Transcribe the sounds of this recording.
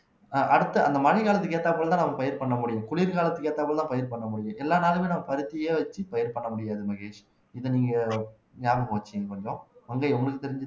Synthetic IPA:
ʔɐɽɯt̪ːɯɐ̰nd̪ɐmɐɻɪɣaːlɐt̪ːɯkːeːʈ̪ːt̪ːaːpːɐɭɐt̪ãːnɐmːɐpɐjɐɾpɐɳːɐmʊɽɪjʊ̃kʊɭiːɾkaːlɐt̪ːɯkːeːʈ̪ːaːpɐɽɐt̪ãːpɐjɐɾpɐɳːɐmʊɽɪjʊ̃ʔɛlːaːnaːlɯmeːnɐmːɐpɐɾɯt̪ːɪjeːʋɐt͡ʃːɯpɐjɐɾpɐɳːɐmʊɽɪjaːðɯmɐɣeːʂ | ɪðɯniːŋɡɐ | ɲaːʋɐmoːt͡ʃːɪnkɐnːõʋɐŋɡɐɔŋɡɐɭɯkːɯt̪ːɛɾɪɲd͡ʒɯ

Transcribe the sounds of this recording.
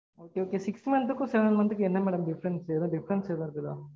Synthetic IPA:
oːkeoːkesiksʈimɐnt̪ukːuseʋɐnmɐnt̪ukːeenːɐmːɛːɽɐmɖifʰɾenseːd̪ɐɖifɾenseːd̪ɐɾt̪id̪ɐ

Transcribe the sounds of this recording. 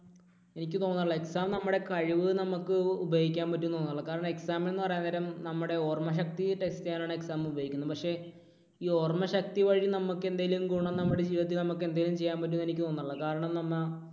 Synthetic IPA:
e̞nikʲːɨt̪o̞ːnːɭɐeksaːmnɐmːuɽe̞kɐɻiʋɨnɐmukːɨubɐjoːɣikʲːaːnpɐt̬ːumnoːnːɐrɭːɐkaːɾɐɳɐme̞ksaːmenːɨpɐrɐjand̪ɐɾɐmnɐmːuɽe̞o̞ːrmɐɕ̬ɐk̚t̪iʈekstejaːlaːɳe̞ksaːmubɐːikʲːunːɐpɐkʂe̞ | iːo̞ːrmɐɕɐk̚t̪iʋɐɻinɐmukːe̞nd̪aːjilumkuːɳɐnnɐmːuɽed͡ʑiːʋiɐt̪̬ːilnɐmukːɨe̞nd̪aːjilumt͡ɕe̞jːaːnmpɐt̬ːunːe̞nik̬ʲːɨt̪o̞ːnːɐɾɭːɐkaːɾɐɳɐmnɐmːɐ

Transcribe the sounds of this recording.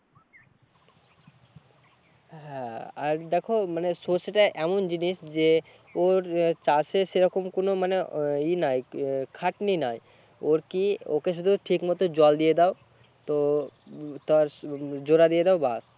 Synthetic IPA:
ɦɛ̃aɾd̪ɛkʰomanesoseʈaʔɛmond͡ʑiniʃd͡ʑe | oɾt͡ɕaseʃeɾɔkomkonomaneinajkʰaʈninaj | oɾkiokeʃ̬ud̪ʱuʈʰikmɔt̪od͡ʑɔld̪ijed̪ɛo | t̪o | t̪aɾd͡ʑoɾad̪ijed̪ɛoba̰s

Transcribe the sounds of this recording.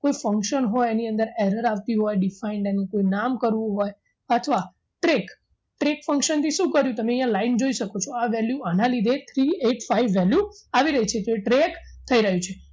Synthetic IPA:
koifəŋkʃənɦojeniənd̪əɾeɾəɾaʋt̪iɦojɖifaiɳɖenekoinamkəɾʋũɦoj | ət̪ʰəʋa | ʈɾek | ʈɾekfə̃ŋkʃənt̪ʰiʃũkəɾjũt̪əmeɛ̃jãlaind͡ʒoiʃəkot͡ʃʰoaʋɛljuanãlid̪ʱet̪ʰɾieʈfaiʋːɛljuaʋiɾəɦit͡ʃʰet̪oeʈɾek | t̪ʰəiɾəɦjũt͡ʃʰe

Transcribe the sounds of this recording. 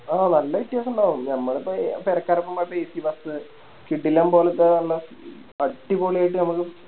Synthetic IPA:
aːnɐlːɐiʈːjaːsuɳɖaːʋunːɲɐmːɐɭipːopeɾɐkːaːɾɐpːɐmɐpːeːsibɐsɨ | kiɖːilːaːmpo̞ːlet̪ːenɐlːɐ | pɐʈːiboːɭeaːjiʈːɨnɐmukːɨ

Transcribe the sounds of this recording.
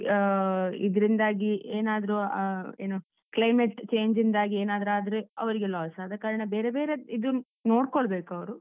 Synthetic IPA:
id̪ɐɾind̪aːɡieːnaːd̪ɐɾuḛːno | klɐjmeʈt͡ʃe̞ːɲd͡ʒind̪aːɡieːnaːd̪ɐɾaːd̪ɐɾeɐ̰ʋɐɾiɡelaːsad̪ɐkːaːɾɐɳɐbeːɾebe̞ːɾeid̪u | no̞ːɽkoɭɐbe̞ːkɐʋɐɾu

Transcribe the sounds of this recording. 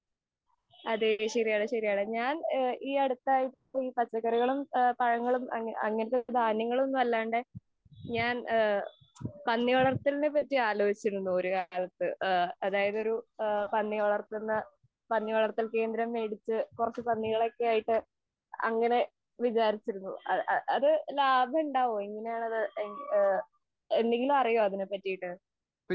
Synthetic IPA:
ɐðeɕɐɾijaːɽɨɕɐɾijaːɭeɲaːniːɐɽut̪ːaːjiʈːiːpɐt͡ɕːɐkːɐɾuɣɐɭumpɐɻɐŋːɐɭumɐɐ̰ŋːɐnɨk̪ːed̪ʱaːnjɐŋːɐɭmo̞nːuʋɐlːaːɳɖɨ | ɲaːn | pɐnːiɐɭɐrt̪ːilnepːɐtːiaːloːit͡ɕːiunːuoɾukaːlɐt̪ːɨɐðaːjɐðo̞ɾupɐnːiɐɭɐrt̪unːɐ | pɐnːiɐɭɐrt̪ːilke̞ːnd̪ɾɐmːe̞ːɽit͡ɕːɨkurɐt͡ɕːɨpɐnːiɣɐɭokːeaːjiʈːɨ | ɐ̰ŋːɐne̞ | ʋit͡ɕaːɾit͡ɕːiɾunːṵɐɐðɨlaːbʱɐuɳɖaːʋoeŋːɐne̞jaːɳɐðɨeŋ | end̪e̞ŋɡilumɐrijoɐðinepːɐtːijiʈːɨ

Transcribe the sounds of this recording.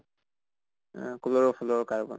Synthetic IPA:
kulɔɹɔpʰulɔɹkaɹbɔ̰

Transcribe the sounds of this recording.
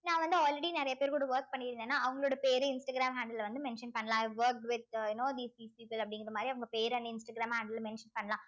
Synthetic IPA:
nãːʋɐnd̪ɯaːlɾɛɽinɪɾɐjɐpeːɾkuːɽɐʋɐːɾk̚pɐɳːɪɾɪnd̪enːaːɐʋɐŋɡɐɭoːɽɐpeːɾɯɪnsʈɐɡɾaːmɦaːɳɖlʋɐnd̪ɯmɛnʂɐnpɐɳːɐlãːʋʋɐːɾk̚ʈʋɪt̪̚jʊnoːd̪iːst̪iːspiːpəlɐpːɐɽɪŋɡɪɐɐmaːd̪ɾiɐʋɐŋɡɐpeːɾɐnd̪ɐɪnsʈɐɡɾaːmhaːɳɖɐlmɛnʂɐnpɐɳːɐlãː

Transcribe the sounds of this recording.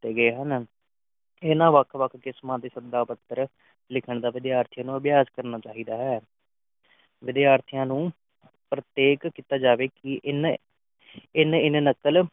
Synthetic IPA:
t̪eːɡəeːɦən | eːnãːʋəkʰʋəkʰkɪsmãːd̪eːsəd̪aːpət̪ːəɾ | lɪkʰəɳd̪aːʋɪd̪jaːɾt̪ʰijãːnũːəbjaːzkəɾnaːt͡ʃaːɦiːd̪aːɦɛː | ʋɪd̪jaːɾt̪ʰijãːnũː | pɾət̪eːkkiːt̪aːd͡ʒaːʋeːkɪʔn | ɪnɪnnəkːəl

